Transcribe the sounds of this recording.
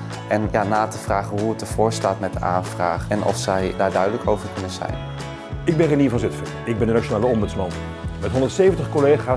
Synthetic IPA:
ʔɛnjaːnaːtəv̥raːχənɦuət̚dəv̥ʊːɹstaːtmɛt̚dəʔa̰ːnvraːχɛnʔɔ̰fsɛjdaːɹdœɥdələkowvəɹkɵnənzɛ̰jn | ɪɡ̚bɛnreniːɹvɑnzɪtfəɹɪɡ̚bɛndənat͡ʃonaːləɔmbʉtsmɑn | mɛtɦɔndəɹtsejvəntəχkɔlejχaː

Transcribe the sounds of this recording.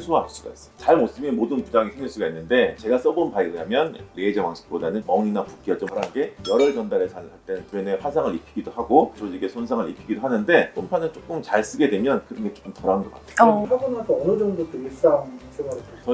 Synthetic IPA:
sʰuas͈uɡa̰is͈ʌ̥t͡ɕaɭmos͈ɯmjʌnmodɯnkud͡ʑaŋisʰeŋjiɭs͈uɡainːɯnde̞t͡ɕe̞ɡas͈ʌbonpaiɯɲamjʌnɾeːd͡ʑʌmaŋs͈ʰɯ̥p̚p͈odanɯnmʌŋinapuk͈iʌt͡ɕ͈omaɾanɡe̞jʌɾʌɭt͡ɕʌndaɾet͡ɕaɭaɭt͈enɯnpueneɸwasʰaŋɯɭipʰiɡidohaɡot͡ɕod͡ʑiɡe̞sʰonsʰaŋɯɭḭpʰiɡidoɦanɯnde̞pʰompʰanɯnt͡ɕ͈ok͈ɯmt͡ɕaɭs͈ɯɡe̞dwe̞mjʌnkɯɾʌnɡet͡ɕ͈o̥k͈omtʌɾaɯnɡʌkatʰe̥hʰaɡunasʰʌʌnɯd͡ʑʌŋdot͈ois͈aŋs͈ɯɡaiket͡ɕʌ

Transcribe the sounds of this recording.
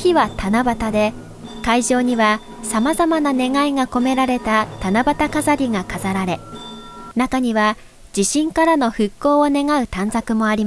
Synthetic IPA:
çiβat̪anabat̪ad̪e̞ | kaiʑo̞ːɲ̟iβa | samazamanane̞ŋaiŋako̞me̞ɾaɾe̞t̪at̪anabat̪akazaɾʲiɡakazaɾaɾe̞ | nakaɲ̟iβa | d͡ʑiɕĩŋkaɾano̞ɸɯ̟kːo̞ːone̞ŋaɯ̟t̪ãnzakɯ̟mo̞aɾʲima

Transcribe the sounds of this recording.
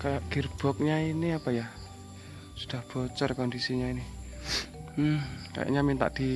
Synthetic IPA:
kajaʔɡ̥irb̥ɔk̚ɲainiapaja | sud̥ahb̥ɔt͡ʃərkɔndisiɲaini | m̩ka̰ja̰ʔɲamint̪a̰ʔd̪̥i

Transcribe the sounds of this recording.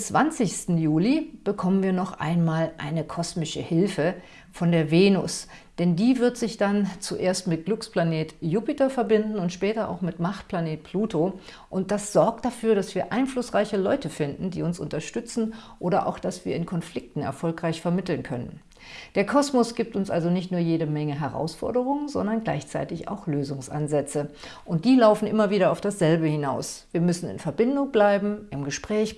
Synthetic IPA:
t͡sv̥ant͡sɪçstn̩juːlib̥əkʰɔmənviːɐnɔχʔa̰ɪnmaːlʔa̰ɪnəkʰɔsmɪʃəhɪlfə | fɔndeːɐveːnʊ̰s | d̥ɛndiːvɪɐtz̥ɪçd̥ant͡suʔeːɐstmɪt̚ɡ̥lʊkspl̥aneːtjuːpɪtɐfɛɐbɪndn̩ʊntʃpɛːtɐʔa̰ʊxmɪtmaχtpʰl̥aneːt̚pʰluːto | ʔʊnt̚d̥asz̥ɔɐk̚t̚d̥afyːɐɾasv̥iːɐʔaɪnflʊsʁaɪçəlɔʏtəfɪndn̩dḭːʊnsʔʊ̰ntɐʃtʏt͡sn̩ʔoːɾɐʔa̰ʊxd̥asv̥iːɐɪnkʰɔnflɪk̚tn̩ɛ̰ɐfɔlkʁ̥aɪçfɛɐmɪtl̩nkʰœnə̰n | d̥eːɐkʰɔsmɔsɡ̥iːp̚tʊnsʔalzonɪçtnuːɐjeːɾəmɛŋəɦɛʁa̰ʊsfɔ̰ɐdəʁ̞ʊŋənzɔ̰ndɐnɡla̰ɪçt͡sa̰ɪtɪça̰ʊxløːzʊŋsʔa̰nzɛt͡səʔʊnt̚d̥iːlaʊfn̩ʔɪmɐviːɾɐaʊfd̥asz̥ɛlbəhɪnaʊsv̥iːɐmʏsn̩ɪ̰nfɛɐbɪndʊŋblaɪbm̩ɪmɡəʃpʁ̥ɛːç

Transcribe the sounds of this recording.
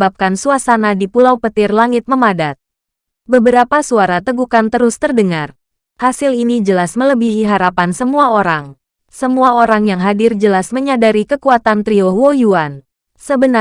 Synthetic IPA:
bap̚kansuasanadipulawpət̪ɪrlaŋɪt̪̚məmadat̪̚ | bəbəɾapasuaɾat̪əɡukant̪əɾʊst̪ərdəŋar | hasilinid͡ʒəlasmələbiɦiɦaɾapansəmuaoɾaŋ | səmuaoɾaŋjaŋɦadɪrd͡ʒəlasməɲadaɾikəkuat̪ant̪ɾiohwojuan | səbəna

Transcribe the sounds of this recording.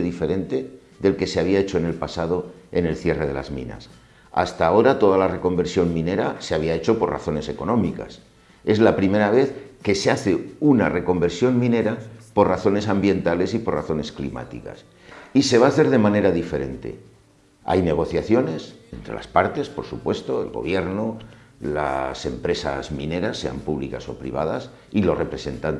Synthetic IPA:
eðife̞ɾe̞nt̪e̞ | ðe̞lke̞seaβ̞iae̞t͡ʃo̞ene̞lpasað̞o̞e̞̰ne̞lθje̞re̞ð̞e̞la̰zmḭ̃na̰s | a̰st̪aːo̞ɾat̪o̞ð̞alare̞ko̞mbe̞ɾsjo̞mmĩne̞ɾase̞aβiae̞t͡ʃo̞po̞ra̰θo̞ne̞se̞ko̞nõ̞mika̰s | e̞zlapɾime̞ɾaβ̞e̞θke̞seaθe̞una̰re̞ko̞mbe̞ɾsjo̞nmĩne̞ɾapo̞rraθo̞ne̞sambje̞nt̪ale̞sipo̞raθo̞ne̞sklḭma̰t̪ika̰s | ise̞βaːθe̞ɾðe̞mãne̞ɾaðife̞ɾe̞nt̪e̞̰ | a̰jne̞ɣ̞o̞θjaθjo̞ne̞sent̪ɾelʔa̰spaɾt̪e̞spo̞ɾsupwe̞st̪o̞e̞̰lɣo̞̰β̞je̞ɾno | la̰se̞mpɾe̞sa̰zmĩne̞ɾasːe̞a̰mpuβlikaso̞̰pɾḭβ̞a̰ða̰s | ilo̞sre̞pɾe̞se̞nt̪an

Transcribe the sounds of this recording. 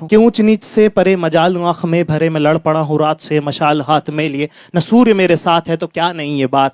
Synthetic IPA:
keũːt͡ʃniːt͡ʃsepɐɾemɐd͡ʒaːlãːkʰmẽbʱɐɾemẽlɐɽpɐɽ̃aɦõɾaːt̪ʰsemɐʃaːlɦaːt̪ʰmẽlie | nɐsuːɾjəmeːɾesaːt̪ʰɦɛt̪okjaːnɐɦĩjebaːt̪̚

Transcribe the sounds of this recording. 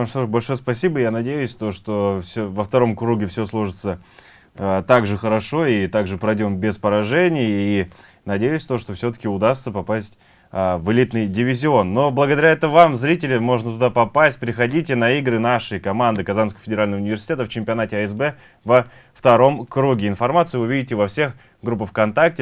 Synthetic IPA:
ʂt̪oʂbɐlʲʂojəspɐsʲibəjanɐdʲejʉsʲt̪o̞ʂt̪o̞fsʲovəft̪ɐɾo̞mkɾuɡʲɪfsʲoslˠuʐɨt̪sə | ət̪aɡʐɨxəɾɐʂo̞it̪aɡʐɨpɾɐjdʲo̞mbʲɪspəɾɐʐɛnʲɪjəi | nɐdʲejʉsʲt̪oʂt̪ofsʲot̪ə̥kʲɪʊd̪ast̪səpɐpasʲtʲː | vɨlʲit̪nɨjdʲɪvʲɪzʲɪo̞nːo̞blˠəɡəd̪ɐɾʲaɛt̪əvamzɾʲit̬ʲɪlʲɪmo̞ʐnət̪ʊd̪apɐpasʲt̚ʲpɾʲɪxɐdʲitʲɪnɐiɡɾɨnaʂɨjkɐmand̪ɨkɐzanskəəfʲɪdʲɪɾalʲnəvəʊnʲɪvʲɪrsʲɪ̥tʲet̪əft͡ɕɪmʲpʲɪɐnatʲɪɐɛs̬bɛ | və | ft̪ɐɾo̞mkɾuɡʲɪɪnfɐrmat̪sɨjʊvɨʊvʲidʲɪtʲɪvɐfsʲe̞x | ɡɾup̬ːəfkɐnt̪ak̚tʲɪ

